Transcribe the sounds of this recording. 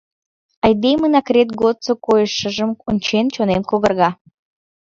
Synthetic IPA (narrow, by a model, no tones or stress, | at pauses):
ɑjd̪emənɑkrʲet̪̚ɡot̪sokojəʃəʒəmonʲt͡ɕent͡ɕonemkoɣərɣɑ